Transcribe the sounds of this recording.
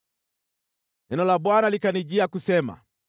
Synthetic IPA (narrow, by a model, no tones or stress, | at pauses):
ɛnɔlaɓwanalikaniʄiakusɛma̰